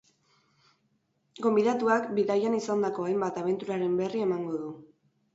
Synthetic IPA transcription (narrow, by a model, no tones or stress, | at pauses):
ɡo̞mbiðat̪uakbiðajanisand̪ako̞ajmbat̪aβ̞e̞nt̪uɾaɾe̞mbe̞rie̞maŋɡo̞ðu